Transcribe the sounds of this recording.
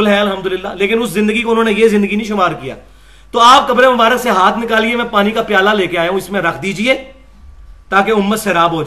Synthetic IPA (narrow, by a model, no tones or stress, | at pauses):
lɦɛɐlɦəmd̪ʊlɪlːaːleːkɪnʊszɪ̃nd̪əɡikoʊnɦõːnejezɪ̃nd̪əɡinĩʃʊmaːɾkija̰ː | t̪oːaːp̚kɐpɾemʊbaːɾəkseɦaːt̪ʰnɪkaːliemɛ̃ːpaːnikapɪjaːlaleːkeaːjaɦũɪsmẽɾɐkʰd̪iːd͡ʒieː | t̪aːkeʊmːət̪seɾaːbɦoːd͡ʒa